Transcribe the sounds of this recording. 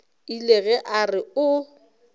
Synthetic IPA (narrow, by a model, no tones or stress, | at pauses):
ileɣɛʔarɪʊ